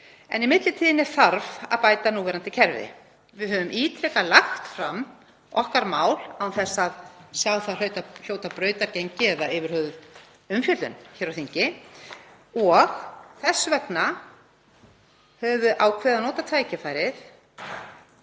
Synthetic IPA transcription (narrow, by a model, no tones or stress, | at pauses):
ɛ̰nimɪt̪lɪt̪ʰiːðɪnɛɾ̥θaɾva̰ðpaːjt̪anuːvɛːɾant̪ɪcʰɛɾvɪ̰ | vɪðɦœːvʏmʔiːt̪ʰɾɛkalaxt̪fɾamː | ɔhkaɾmaːwlawwθɛsːaðsjawθalœɥt̪al̥joːwt̪apɾœːɥt̪aɾcejɲcɪɛðaɪːvʏɾ̥hœɣð | ʏmfjœlʏ̰nçɛːɾawθiɲcɪ | ɔɣθɛsːʏvɛkna | hɛːvʏʔawkʰvɛːðanɔːt̪at̪ʰaːjcɪfaːjɾɪθ